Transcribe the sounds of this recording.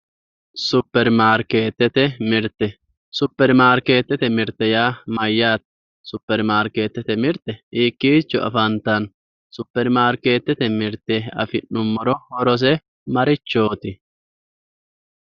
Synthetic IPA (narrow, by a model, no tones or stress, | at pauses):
sʊpːɛɾmaːɾkeːt̪ːɛt̪ɛmɪɾt̪ːɛ | sʊpːɛɾmaːɾke̞ːt̪ːɛt̪ɛmɪɾt̪ːɛjaːmɐjːaːt̪̚ | sʊpːɛɾmaːɾkeːt̪ːɛt̪ɛmɪɾt̪ːɛiːkːiːt͡ʃːɔɐ̰fɐnt̪ːɐn | sʊpːɛɾmaːɾke̞ːt̪ːɛt̪ɛmɪɾt̪eɐfɪnːʊmːɔɾɔhɔɾɔs̬ɛ | mɐɾɪt͡ʃːoːt̪ɪ